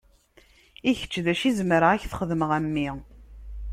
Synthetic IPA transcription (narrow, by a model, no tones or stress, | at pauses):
içə̥t͡ʃːðæʃizmɾəæçθə̥χəðməʁæmːi